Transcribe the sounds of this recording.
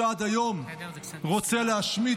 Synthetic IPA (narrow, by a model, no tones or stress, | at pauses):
ad̪ajo̞m | ʁot͡seleaʃmi